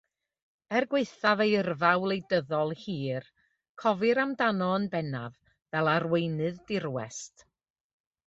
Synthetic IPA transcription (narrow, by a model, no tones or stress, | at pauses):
ɛrɡweɨθavejərvawlˠejdəðɔlˠhiːr | kʰɔvɨɾamdanɔənbɛnav | vɛlˠarwejnɨðdɪrwɛ̰st